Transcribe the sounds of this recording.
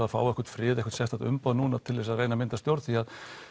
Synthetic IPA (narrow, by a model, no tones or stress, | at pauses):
afa̰ːwɛhkʏ̥ɾt̪fɾɪːðɛhkʏ̥ɾ̥t̪sɛht̪at̪ʏ̰mpaːðnuːnat̪ʰɪlvɛs̬aðrejnamɪnt̪ast̪jowɾt̪θiað